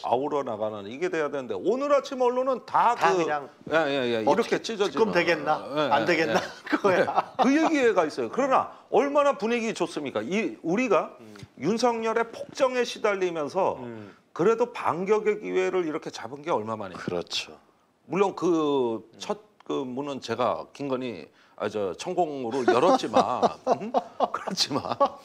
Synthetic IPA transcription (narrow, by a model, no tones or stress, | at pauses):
a̰uɾʌnaɡananiɡe̞de̞jadwenɯnde̞̰onɯɾat͡ɕʰimʌɭːonɯntakɯŋ | jejejeiɾʌkʰet͡ɕ͈id͡ʑʌd͡ʑiɯmdweɡenːaeandeɡenːak | ɯje̞ɡiwe̞ɡais͈ʌjokɯɾʌna̰ | ʌɭmanapuɲiɡit͡ɕos͈ɯmɲik͈aiuɾiɡajunsʰʌŋɲʌɾe̞pʰok̚t͡ɕ͈ʌŋe̞ɕʰidaʎːimjʌnsʰʌ | kɯɾe̞dopa̰ŋɡjʌɡe̞ɡiwe̞ɾɯɾiɾʌkʰe̞t͡ɕabɯnɡe̞ʌɭmama̰nḛɯɾʌt͡ɕʰo | muɭːonkɯt͡ɕʰʌt̚kɯmunɯnt͡ɕe̞ɡa̰kiŋɡʌɲḭ | a̰d͡ʑʌt͡ɕʰʌŋɡoŋɯɾojʌɾʌt̚t͡ɕ͈ima̰ɯkɯɾʌt̚t͡ɕ͈ʰima̰n